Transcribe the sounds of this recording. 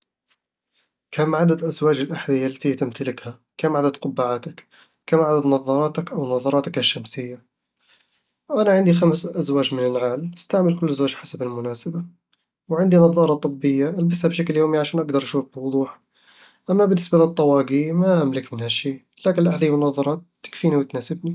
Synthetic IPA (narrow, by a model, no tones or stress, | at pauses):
kʰaːmʕad̪ad̪ʔazwaːd͡ʒɪlʔaħðɪjːalːat̪iːt̪ɪmt̪alɪkha | kaːmʕad̪ad̪̚qʊbːaʕaːt̪ak | kaːmʕad̪ad̪nɑðˤːɑɾˤɑːt̪akʔawnɑðˤɑɾˤɑːt̪akɪʃːamsɪjːa | ʔanaʕɪnd̪ixamsʔazwaːd͡ʒmɪnɪnʕaːlɪ̥st̪aʕmalkʊlːazwaːd͡ʒħasabɪlmʊnaːsaba | wʕɪnd̪inɑðˤːɑːɾˤɑt̪ˤɨbːɪjːaʔalbɪshabʃakljoːmiʕaʃaːnʔaɡd̪ɑɾˤʔaʃuːfbɪwʊd̪ˤuːħ | ʔamːabɪnːɪsbalɨt̪ˤːɑwɑːɡimaʔamlɪkmɪnhaʃːiː | laːkɪnlʔaħd̪ijmʊnɑðˤːɑɾˤɑːt̪ːɪ̥kfiːniwɪt̪naːsɪbni